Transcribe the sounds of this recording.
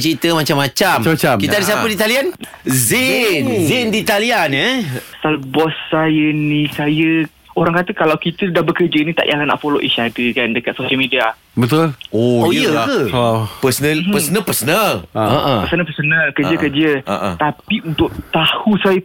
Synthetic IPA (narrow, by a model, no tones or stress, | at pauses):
t͡ʃɾit̪əmat͡ʃamːat͡ʃamamat͡ʃamkit̪adəs̬iapədit̪alian | zinzindit̪alianəsalbɔsːajənĩsajə | oɾaŋkat̪əkalawkit̪ədahbəkəd͡ʒəinit̪a̰ʔjalana̰ʔfoloʔḭʃadəkandəkat̪̚soʃəlmidia | bət̪ʊloojəkəpəsənəpəsənəpəsənəəʔəpəsənəpəsənəkəd͡ʒəkəd͡ʒəəʔt̪apiunt̪ʊʔ̚t̪ahusajə